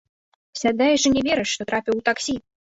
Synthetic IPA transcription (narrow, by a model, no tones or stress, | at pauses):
sʲad̪ɛjɛʐɨnʲɛvʲeɾɛʂːt̪ɔt̪ɾapʲiwt̪aksʲi